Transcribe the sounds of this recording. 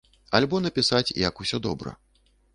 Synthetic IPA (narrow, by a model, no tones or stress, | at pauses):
alʲbɔnɐpʲisat͡sʲjɐ̰kusʲɔd̪ɔ̰bɾɐ̰